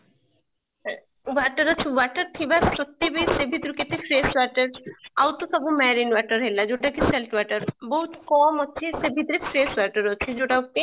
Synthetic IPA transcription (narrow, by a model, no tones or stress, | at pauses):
ʋaʈəɾɔt͡ʃʰeʋaɾʈəɾt̪ʰibasot̪ːebijsebʱit̪ɾuket̪efʰɾesʋaʈəɾawt̪osɐbumɛɾinʋaʈəɾɦelad͡ʒoʈakiselʈʰʋaʈəɾboɦut̪kɔmɦoːʃʰesebʱit̪ɾefʰɾesʋaʈəɾoːt͡ʃʰed͡ʒoʈauʈe